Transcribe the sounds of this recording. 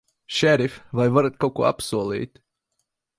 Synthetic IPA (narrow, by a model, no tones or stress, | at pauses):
ʃɛɾifʲvajvaɾat̪̚kawkuɔa̰psuɔlʲˠḭːt̪